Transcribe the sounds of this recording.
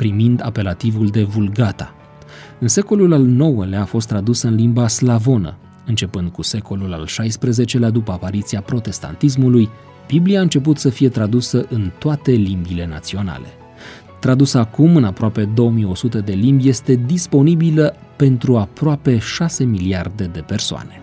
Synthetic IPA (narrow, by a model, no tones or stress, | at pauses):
pɾimind̪a̰pe̞lat̪ivuld̪e̞vulɡat̪a̰ | ɨnse̞ko̞lulalno̞wəlaaːfo̞st̪ːɾad̪usɨnlimbaslavo̞nə̰ | ɨnt͡ʃe̞pɨnd̪̚kuse̞ko̞lula̰lʃajspɾeze̞t͡ʃe̞lad̪upəapaɾit̪siapɾo̞t̪e̞st̪a̰nt̪is̬muluj | b̥ibliaɨnt͡ʃe̞p̬ut̪səfije̞t̪ɾad̪usəʔɨnt̪oat̪e̞limbile̞na̰t̪sio̞na̰le̞̰ | t̪ɾad̪usəakumɨnapɾoape̞d̪o̞wəmijo̞sut̪əd̪e̞limbʲje̞st̪e̞d̪ispo̞nibilə | pe̞nt̪ɾuapɾoape̞ʃase̞miliard̪e̞d̪e̞pe̞rsoa̰ne̞